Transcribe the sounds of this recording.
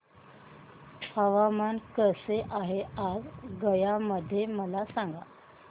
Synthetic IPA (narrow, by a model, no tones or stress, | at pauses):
həʋamankəseʔaɦeazɡəjaməd̪ʱːjeməlasaŋɡa̰